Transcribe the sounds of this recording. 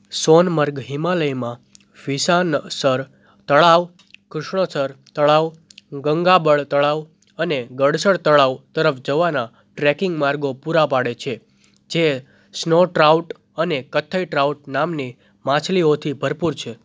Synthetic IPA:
sɔnməɾɡɦimaləjmã | ʋisansəɾ | t̪əɭaʋ | kɾʊʃɳəsəɾt̪əɭaʋɡəŋɡabəɭt̪əɭaʋ | əneɡəɽsəɭt̪əɭaʋt̪əɾəfd͡ʒəʋana | ʈɾɛkɪŋɡmaɾɡopuɾapaɽet͡ʃʰe | d͡ʒe | snoʈɾauʈ | ənekət̪ʰːəiʈɾauʈ̚namni | mãt͡ʃʰliot̪ʰibʱəɾpuɾt͡ʃʰe

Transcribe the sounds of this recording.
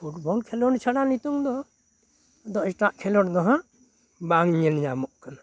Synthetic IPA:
pʰuʈbɔlkʰɛlɔnt͡ʃʰaɽanit̪uŋd̪ɔ | d̪ɔʔʈaʔkʰɛlɔɽd̪ɔɦãʔ | baŋɲɛlɲamɔʔkana

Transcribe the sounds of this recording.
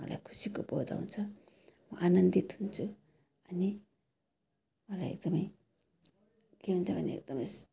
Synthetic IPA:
ʌ̰la̰jkʰu̥sikobod̪a̰unt͡sʰʌ | mʌʔanənd̪it̪ʰunt͡sʰu | ʌni | mʌla̰jḛk̚d̪ʌmʌj | keunt͡sʰʌbʱʌnḛḛk̚d̪ʌmʌjs

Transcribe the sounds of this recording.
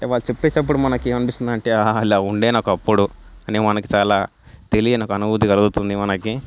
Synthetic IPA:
ɐʈeːʋaːɭut͡ʃe̞pːeːt͡ʃɐp̬ːuɽumɐnɐkiɐnipist̪und̪ɐɳʈeːailaːuɳɖeːnaːkuɐpːuɽuɐnemɐnɐki̥t͡ʃaːlaː | t̪e̞lijenaːkɐnubut̪̬ikɐlɐɡut̪und̪imɐnɐki

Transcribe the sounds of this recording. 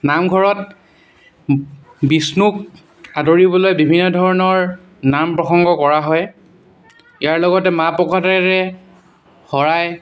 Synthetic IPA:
namɡʱɔɹɔt̚ | bisnuk̚ | adoɹibɔlojbibʱinːɔdʱɔɹɔnɔɹ | nampɹɔxɔŋɡɔkɔɹaɦɔj | ijaɹlɔɡɔtɛmapɔkʰɔtɛɹɛ | hɔɹaj

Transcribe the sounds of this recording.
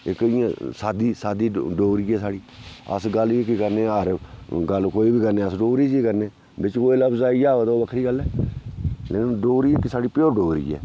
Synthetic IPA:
ɪkɪjãːsaːd̪iːsaːd̪iːɖoːɾiːɛːsaːɽiːə̰sɡəlkikəɾneːəɾɡəlkoːiːbʱiːkəɾneːəsɖoːɾiːd͡ʒikəɾneː | bɪt͡ʃkoːiləbzaːid͡ʒaːot̪oːʋəkʰɾiːɡəlːɛː | leːkɖoːɾiːɪkːisaːɽiːpjoːɾɖoːɾḭːɛ̰ː

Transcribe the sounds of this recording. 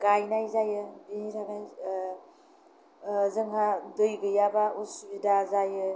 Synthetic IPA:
ɡ̥ajnajzajɯbinitʰakaj | zɯŋɦadɯjɡɯjabausubidazajɯ

